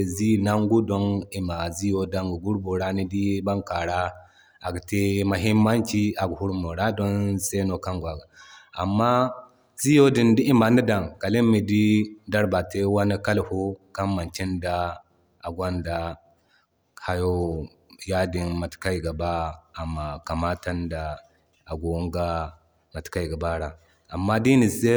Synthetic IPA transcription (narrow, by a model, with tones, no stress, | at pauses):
zi˦˨na˦ŋɡu˦do˦ni˨ma˨zi˦jo˦da˦ŋɡu˨ɡu˦ɾbu˨ɾa˦ni˦di˦ba˦ŋka˨ɾa˦ | a˨ɡte˦ma˨ɦi˦mmːa˦nki˦a˨ɡhu˦ɾmo˨ɾa˦do˦nse˦no˨ka˦ŋɡʷa˨ɡa˨a˨mːa˦ | zi˦jo˦di˨ndi˦i˦ma˨ni˦da˨ŋ˨ka˨li˦mːi˨di˦da˦ɾba˨te˦wa˦na˦ka˦lhu˦ka˦mma˨nt͡ʃi˦nda˦ | a˨ɡwa˦nda˨ | ha˦jo˦ | ja˦di˨nma˨tka˦i˨ɡa˨baː˦˨ma˨ka˨ma˦ta˦nda˨ | a˨ɡo˨u˦ŋɡa˦ | ma˨tka˦i˨ɡa˨ba˦ɾa˨ | a˨mːa˦di˦ni˨se˦